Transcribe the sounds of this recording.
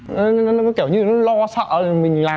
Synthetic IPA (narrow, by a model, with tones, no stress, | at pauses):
ɔ˨˦nɔ˨˦kɔ˨˦kɛ˧˩wɲɨ˧nɔ˨˦lɔ˧sə̰ː˧˨mï˨˩ŋ̟laː˨˩